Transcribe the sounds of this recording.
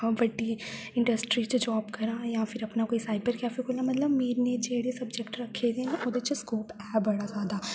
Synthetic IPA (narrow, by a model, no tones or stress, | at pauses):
ɦãːbɐʈːi | ɪ̃ɳɖəsʈɾit͡ʃd͡ʒɔːbkɐɾãːjãpʰɪɾɐpnakoːisaːɪbəɾkɛːfikʰoːlãmɐt̪ləbmeːɾned͡ʒeːɽesɐbd͡ʒɛkʈɾɐkʰːed̪enaʔod̪et͡ʃskoːpɛːbbɐɽazjaːd̪a